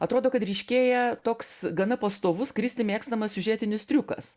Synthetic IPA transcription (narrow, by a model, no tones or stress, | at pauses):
ɐt̪ɾoːd̪oːkɐt̪ɾʲɛɪʃʲkʲeːjɛt̪oːksɡɐnɐpɐst̪oːʋʊskɾʲɪsʲt̪ʲɪmʲeːkst̪ɐmɐsʲsʲʊʒʲeːt̪ʲɪnʲɪst̪ʲɾʲukɐ̰s